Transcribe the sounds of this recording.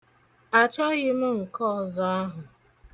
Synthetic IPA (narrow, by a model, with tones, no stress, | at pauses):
a˨t͡ʃɔ˦ɣɪ˦m̩˦ŋ̩˨kɔ˦˨za˦a˦ɦʊ˨